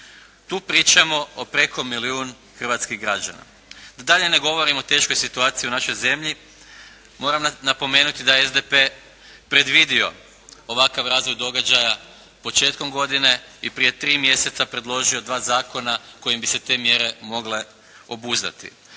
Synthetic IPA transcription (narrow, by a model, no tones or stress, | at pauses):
t̪uːpɾiːt͡ʃamo̞opɾe̞ko̞miliuːn | xr̩ʋat̪skiɣɡɾad͡ʒa̰na̰ | d̪ad̪aʎe̞ne̞ɡo̞ʋo̞ɾimot̪e̞ːʃko̞jsit̪uaːt̪sijiunaʃo̞jze̞mʎi | mo̞ːɾamnapo̞me̞ːnut̪id̪ajeezd̪epe̞ː | pɾe̞d̪ʋid̪io̞̰ | oʋakaʋɾaːzʋo̞jd̪o̞ɡad͡ʒaja | po̞t͡ʃe̞ːt̪ko̞mɡo̞d̪ine̞ipɾije̞t̪ɾiːmje̞se̞t̪sapɾe̞d̪lˠo̞ʒio̞d̪ʋaːzaːko̞nako̞jimbise̞t̪e̞ːmje̞ɾe̞mo̞ɡle̞ | o̞buzd̪a̰t̪ḭ